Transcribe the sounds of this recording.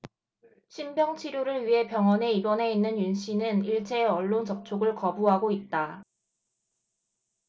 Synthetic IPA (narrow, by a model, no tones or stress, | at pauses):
ɕʰimbjʌŋt͡ɕʰiɾjoɾɯɭɥiɦe̞pjʌŋʌne̞ibʌne̞inːɯnjunɕʰinɯniɭt͡ɕʰe̞ːʌɭːont͡ɕʌp̚t͡ɕʰoɡɯɭkʌbuɦaɡoit̚t͈a